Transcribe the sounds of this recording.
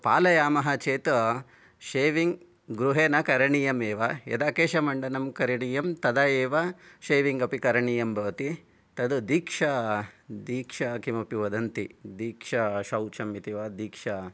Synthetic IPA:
paːlɐjaːmɐɦɐt͡ʃeːt̪ | ʃeːʋiŋɡ | ɡɾuɦeːnɐkɐɾɐɳijɐmeːʋɐjɐ̰d̪aːkeːʃɐmɐɳɖɐnɐmkɐɾɐɳijɐmt̪ɐd̪ɐeːʋɐʃeːʋiŋɡɐpikɐɾɐɳijɐmbʱɐʋɐt̪i | t̪ɐd̪ud̪iːkʂɐd̪iːkʂɐkimɐpjuʋɐd̪ɐnt̪id̪iːkʂɐʃɐwt͡ʃʰɐmit̪iʋad̪iːkʂɐ

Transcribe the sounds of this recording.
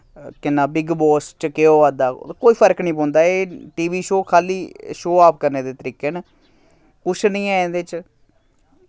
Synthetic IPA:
kɪnːãːbɪɡbɔːst͡ʃkeoːʋaːd̪aːkoːiːpʰəɾknĩːp̬ɔ̃ːnd̪aːeːʈiːʋiːʃoːkʰaːliːʃoːaːp̚kəɾneːd̪eːt̪əɾiːkeːneː | kʊt͡ʃʰnĩːɛːẽd̪eːt͡ʃ

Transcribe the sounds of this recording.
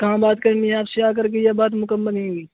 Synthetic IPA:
kɐɦãbaːt̪kɐɾniɦɛaːpseaːk̬ɐɾk̬ejabaːt̪̬mʊkəmːəlɦẽːɡiː

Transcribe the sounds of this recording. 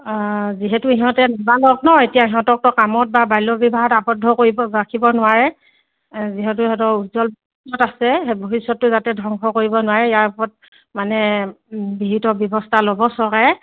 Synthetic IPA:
ziɦɛtuiɦɔ̃tɛnɔbalɔknɔetijaiɦɔ̃tɔk̚tɔkamɔt̚babajlɔbibaɦɔtabɔdʱːɔkoɹibɔakʰibɔnʊwaɹɛ | ziɦɛtʊiɦɔtɔutzɔlboisɔtasɛeboɦisɔtːʊzatɛdʱɔŋkʰɔkoɹibɔnʊwaɹɛijaɹpɔt̚ | manɛ | bibitɔbjɔbɔstʰalobɔsɔkɛ

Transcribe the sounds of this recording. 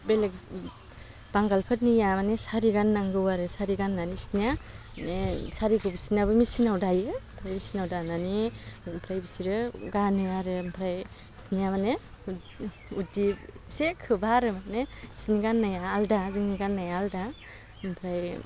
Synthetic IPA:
belek | b̥aŋɡalpʰɯt̚nijamanesaɾiɡanːaŋɡɯwaɾɯsaɾiɡanːanisnija | saɾiɡɯbisinabɯmisinawdajɯmpʰɾajbisinawdananimpʰɾajbisiɾɯɡanɯaɾɯmpʰɾaj | snijamane | udisekʰɯbaɾɯmanesniɡanːajaːldazɯŋniɡanːajaːlda | mpʰɾaj

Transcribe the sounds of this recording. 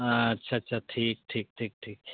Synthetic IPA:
ɐtːʃʰaɐtːʃʰaʈʰiːk̚ʈʰiːk̚ʈʰiːk̚ʈʰiːk̚

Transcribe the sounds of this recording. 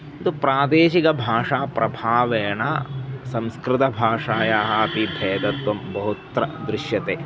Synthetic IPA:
t̪upɾaːd̪eːʃikɐbʱaːʂaːpɾʔɐbʱaːʋɛjɐnasɐ̃mskɾɪt̪ɐbʱaːʂaːjaːɦɐɐpibʱɛːd̪ɐt̪ʋɐmbɐɦut̪ɾɐ̰d̪ɾɪʃjɐt̪eː

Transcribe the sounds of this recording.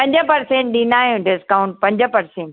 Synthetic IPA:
pɐ̃ɲd͡ʑəpɐɾsẽːɳʈ̚ɗĩnaːjũɖɪskaːʊ̃ɳʈ̚pɐ̃ɲd͡ʑəpɐɾsẽːɳʈ

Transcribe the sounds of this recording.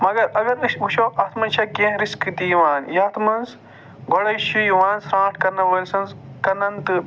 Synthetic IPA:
mɐɡɐɾɐɡɐɾuʃʰoːʔɐt̪ʰmɐnt͡ʃʰɐkẽːɦɾiskd̪iːʋaːnjɐt̪ʰmɐnz | ɡoɽɐjʃujʋãːnsɾãːʈʰkɐɾnɐʋɐːlʲsɐ̃nzkɐnɐnt̪ɨ

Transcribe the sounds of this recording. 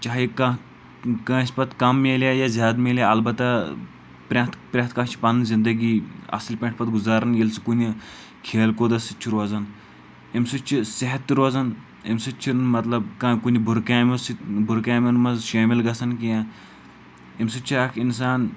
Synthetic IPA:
t͡ʃaːɦika | kãːʃʲpɐt̪kɐmːeːlʲjajazʲaːd̪meːljaɐlbɐt̪ːɐ | pɾʲãːt̪pɾʲãt̪kãːt͡ʃʰi̥pɐnnzind̪ɐɡiːɐ̰silʲpʲẽɳʈ̚ʰpɐt̪ɡuzaːɾɐnjelt͡sɨ̥kuni | kʰeːlkoːd̪ɐsit͡ʃʰiɾʋɐzɐn | imsut͡ʃʰiseɦɐt̪ːiɾozɐn | imsut͡ʃʰimɐt̪lɐbkãːkunibʱuɾkaːmɐsibʱuɾkaːmɐnmɐzʃeːmilɡɐsɐnkiã | imsut͡ʃʰiakʰinsaːn

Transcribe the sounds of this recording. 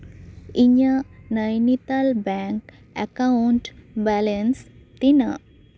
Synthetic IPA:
iɲanəjnit̪albɛŋk | ɛkauɳʈbɛlenst̪inə

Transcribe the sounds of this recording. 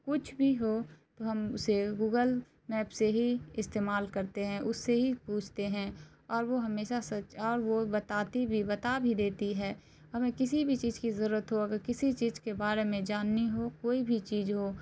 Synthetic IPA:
kʊt͡ʃʰbʱiɦot̪oɦɐmʊseɡuːɡəl | mɛːpseɦiɪst̪eːmaːlkəɾt̪eɦɛ̃ʔʊsːeɦipuːt͡ʃʰt̪eɦɛ̃ | ɔːɾʋoɦɐmeːʃasəɔːɾʋobət̪aːt̪ibʱibət̪abʱid̪eːt̪iɦɛː | ɦɐmẽkɪsibʱit͡ʃiːd͡ʒkizəɾuːɾət̪ɦoɐɡəɾkɪsit͡ʃiːzkebaːɾemẽd͡ʒaːnːiɦokoːibʱit͡ʃiːzɦo

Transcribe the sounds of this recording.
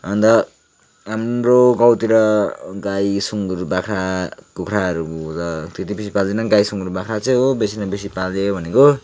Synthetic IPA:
ʌnd̪ʌ | ɦamroɡʌwt̪iɾʌɡajsuŋɡɾubakʰɾakukʰɾaʌɾukot̪ʌt̪et̪ibis̬ipald̪enʌnɡajsuŋɡɾubakʰɾat͡sej̃ɦobesinʌbisipaleobʱʌneko

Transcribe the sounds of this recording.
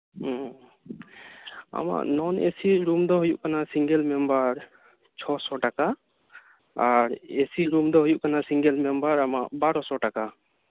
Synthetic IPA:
a̰ma̰ʔnɔnesiɾumd̪ɔɦujuʔkanasiŋɡɛlmɛmbaɾ | t͡ʃʰɔsɔʈaka | aɾesiɾumd̪ɔɦujuʔkanasiŋɡɛlmɛmbaɾamaʔbaɾɔsɔʈaka

